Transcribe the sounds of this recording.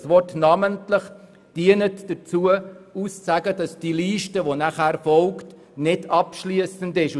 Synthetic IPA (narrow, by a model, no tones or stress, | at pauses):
sʋɔrtnɑməntləχ | d̥iənətd̥ət͡suəussæɡəd̥ɑsd̥iliːʃtəʋɔnæχæːɾfɔlkt | nɪdɑpʃliəsəndɪʃu